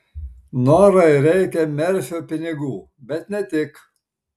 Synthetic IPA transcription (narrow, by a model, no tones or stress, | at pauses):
noːɾɐɪɾʲɛɪkʲɛmʲɛɾʲsʲoːpʲɪnʲɪɡuː | bʲɛt̪nʲɛt̪ʲɪk